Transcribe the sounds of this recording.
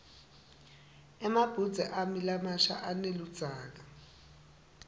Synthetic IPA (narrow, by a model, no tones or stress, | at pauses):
ɛmab̥ʱudd͡zʱɛʔamilamaʃa̰ʔanelud̥d͡z̥ʱaːk̬a